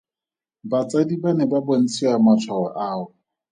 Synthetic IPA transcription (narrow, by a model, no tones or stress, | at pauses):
bat͡sadibanɛbabon̩t͡sʰiamat͡sʰwawa̰ʔaːʊ